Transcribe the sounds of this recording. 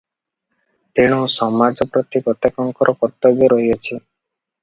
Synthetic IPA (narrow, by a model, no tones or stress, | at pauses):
t̪eɽ̃ɔ̃sɔmad͡ʒɔpɾɔt̪ikɔt̪akɔŋkɔɾʔɔkɔɾt̪ɔbjɔɾɔɦiɔt͡ʃʰi